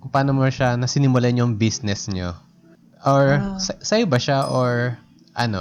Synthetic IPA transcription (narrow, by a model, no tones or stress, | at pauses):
kʊpaːnomoʃanɐsɪnɪmʊlaɲoŋbisnɛsɲo | ʔoɹssɐjbɐʃaʔoɹ | ʔɐ̰no̰